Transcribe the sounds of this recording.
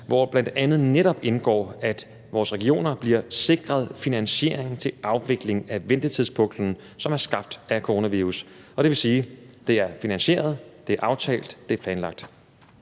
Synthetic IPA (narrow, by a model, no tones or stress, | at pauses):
ʋɒb̥lænd̥ænð̞̩ˠneɾɒ̽b̥e̝nɡ̥ɒ̰ːæd̥ | ʋɒːsʁɛɡ̥io̝̰ːnɐb̥liɐse̝ɡ̥ʁɐð̞ˠfinænɕe̝ɐeŋn̩t͡sʰe̝lʔɑ̈ʊʋe̝ɡ̥le̝ŋæʋend̥ət͡sʰiðˠspʰɔ̽ŋd̥n̩ | sɒ̽mæɐsɡ̥ɑ̈b̥̚d̥ækʰoʁo̝ːnæʋiːʁus | ɒ̽ɾ̥e̝ʋe̝siːd̥e̝æɐfinænɕe̝̰ːɐð̞̩ˠd̥e̝æɐʔɑ̈ʊt͡sʰɛ̰ːld̥ːe̝æɐpʰlɛːnlɑ̈ɡ̥̚d̥